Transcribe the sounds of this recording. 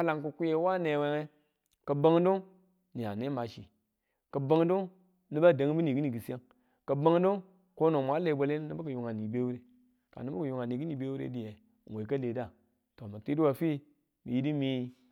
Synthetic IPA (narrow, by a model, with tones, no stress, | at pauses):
a˦la˨ŋku˨ku˦je˨˦wa˦ne˨we˦ŋe˦ | ka˨ba˦ŋ˦do˦ŋ | ni˨ja̰˨ne˦ma˨ʃḭ˨ | ka˨ba˦ŋ˦du˦ | ni˦ba˦˨da˨˦ŋ˦bi˦ni˨ɡi˦ni˨ɡi˨sa˦ŋ | ka˨ba˦ŋ˦do˦ŋ | ko˦no˨mʷ˨a˨˦le˨i˨˦ba˨le˦ni˦ba˦ka˨ju˨ŋa˨ni˨be˦wu˦ɾe˦ | ka̰˨ni˦ba˦ka˨ju˨ŋa˨ni˨ɡi˦ni˨be˦wu˦ɾḛ˦di˨je˨ | ŋ˨we˨ka˦le˨da˦˨ | to˨ma˨ti˦di˦wa˨fi˦ | mḭ˨ji˦di˦mi˦